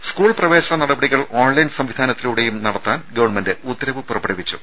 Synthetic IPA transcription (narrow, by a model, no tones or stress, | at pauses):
skuːɭprɐʋe̞ːɕɐnɐnɐɽɐbɐɽiɣɐɭoːnlɐjnsɐmʋid̪ʱaːnɐt̪ːiluːɽe̞jumnɐɽɐt̪ːaːnɡɐʋɐrɳmendeʔut̪ːɐɾɐʋɨpurɐpːɐɽɐʋit͡ɕːu